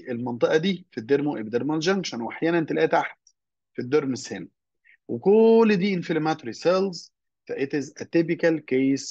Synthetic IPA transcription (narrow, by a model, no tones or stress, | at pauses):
ʔelmɑnt̪ˤeʔɑd̪iːfid̪ːeɾmuʔebd̪eɾmælʒæŋɡʃænweʔaħjæːnænnt̪elʔæːt̪aħd̪ | fid̪ːoɾmeshen | wekolːd̪iːʔɪnfilemæt̪ɾiselz | t̪æʔet̪ezæt̪ːebikælkejs